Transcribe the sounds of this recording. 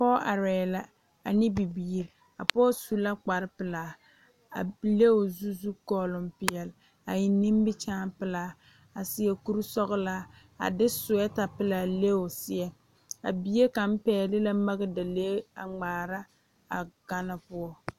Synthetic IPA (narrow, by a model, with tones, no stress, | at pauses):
a˨pɔ˦ʔa˨ɾɛː˨la˦ | a˨nɪ˦bi˨biː˨ɾ | a̰˨pɔː˦su˦la˦k͡pa˨ɾɪ˦pɪ˨laː˨ | a̰˨le˦o˨zu˦zu˦kɔː˦˨lʊ˨mpɪ˨ɛ˨l | a˨ji˨ni˦m˦bɪ˦t͡ʃaː˦pɪ˨laː˨ | a˨sɪ˦jɛ˦ku˦ɾsɔ˦ɣɪ˦la˦ | a̰˨dɪ˦sʊ˨ɛ˦ta˨pɪ˦laː˨le˦o˨sɪ˦ɛ˨ | a˨bi˨je˦ka˨m̩˦pɛː˦lɪ˦la˦ma˦ɣɪ˦da˨leː˦a̰˨ŋ͡maː˨ɾa˦ | a˨ɡ̥a˦na˦pʊ˦ɔ˦